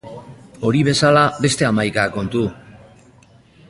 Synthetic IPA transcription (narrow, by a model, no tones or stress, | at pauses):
o̞ɾiβ̞e̞salaβe̞st̪e̞amajkako̞nt̪u